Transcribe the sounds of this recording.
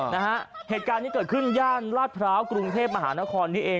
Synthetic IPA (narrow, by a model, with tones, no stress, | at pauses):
na˦˥kʰa˦˥heː˨˩t̪̚kaː˧nːiː˦˥kɤː˨˩t̪̚kʰɯ˥˩njaː˥˩nlaː˥˩t̪̚pʰɾaː˦˥wkɾu˧ŋt̪ʰeː˥˩p̚ma˧ɦaː˩˦naː˦˥kʰɔː˧nːiː˦˥ʔeː˧